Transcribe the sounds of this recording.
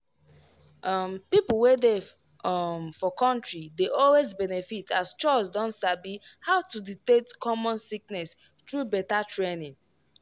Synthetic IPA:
ʔɔmpipl̩wede | mfɔkɔ̃ntɹideʔɔlwezbɛnefitʰast͡ʃɔsdɔ̃ntsabihaʊtuditetkʰɔmɔ̃nsiknɛs | tɹubɛtatɹenĩŋ

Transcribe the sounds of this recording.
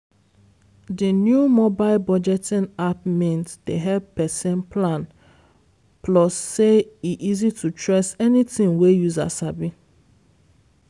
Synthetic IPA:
dinjumobaɪlbɔd͡ʒɛtĩnapmĩntdeɦɛbpɛsɛ̃npʰlãn | plɔsːeiʔizitʰutʰɹesɛnitĩŋwejuza̰sabi

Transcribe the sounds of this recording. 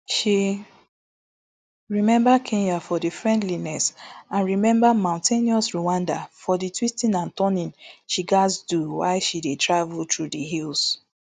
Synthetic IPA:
ʃi | ɹimɛ̃mbakʰĩnafɔdifɹɛ̃ndlinɛsãnɹimɛ̃mbamãʊ̃ntʰeniɔsɹuwãndafɔditwistĩnãntɔnĩnʃiɡazduwa̰ɪʃidetʰɹavltʰɹudiɦils

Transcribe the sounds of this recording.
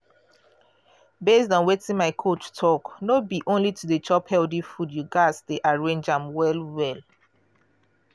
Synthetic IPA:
besdɔ̃nwetĩŋmaɪkʰot͡ʃtʰɔknobiʔõnlitʰudət͡ʃɔphɛldĩfudjuɡasdeʔaɹẽnd͡ʒãmwɛlwɛl

